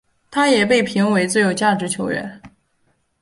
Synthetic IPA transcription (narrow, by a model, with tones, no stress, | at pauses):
t̪ʰa˥jɛ˨˩pe˥˩ɪpʰi˧˥ŋwe˧˥ɪt͡sɹ̩˥˩jo˨˩ʊt͡ɕja˥˩ʈ͡ʂɻ̩˧˥t͡ɕʰjo˧˥ʊɥɛ̰˧˥n